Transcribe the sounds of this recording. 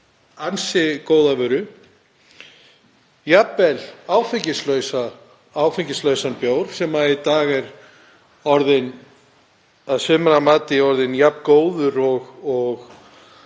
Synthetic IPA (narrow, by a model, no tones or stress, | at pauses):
ansɪkoːwðavœːɾʏ | japːɛlaːwfɪɲcɪslœɥsa | aːwfɪɲcɪslœɥsanpjoːwɾ̥sɛmait̪aːɣɛɾ | ɔɾðɪn | aðsʏːmɛɾamaːt̪ɪɔɾðɪnjapkoːwðʏɾɔɣɔɣ